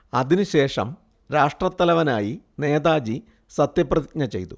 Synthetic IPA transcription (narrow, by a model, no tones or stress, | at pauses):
ɐðinɨɕe̞ːʂɐ̰m | ɾaːʂʈrɐt̪ːɐlɐʋɐnaːji | ne̞ːðaːd͡ʑi | sɐt̪jɐprɐðik̚ɲɐt͡ɕe̞jt̪u